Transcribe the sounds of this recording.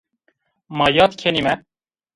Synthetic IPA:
mɑːjɑːt̪kʰenimɛ

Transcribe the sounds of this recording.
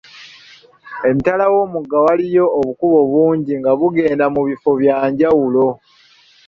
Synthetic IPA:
e̞mitalawo̞ːmuɡːawalijo̞ːβukuβo̞βuːɲɟiŋɡaβuɡe̞ːndamuβifo̞βjaːɲɟawulo̞

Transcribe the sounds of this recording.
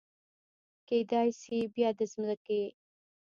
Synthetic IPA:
ked̪ɑjsibjɑd̪əzmzake

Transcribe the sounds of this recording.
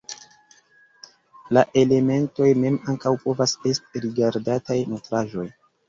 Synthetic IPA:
laʔe̞le̞me̞nto̞jme̞maŋkawpo̞vasestiɾiɡaɾdatajnotɾaʒo̞j

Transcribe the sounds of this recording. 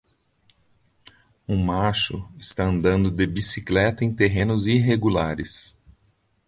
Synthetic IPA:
ũmaʃʊ̰ɪst̪aɐ̃nd̪ɐ̃nd̪ʊd̪ebisiklɛt̪ɐẽj̃t̪eɦẽnʊziɦeɡulaɾɪs

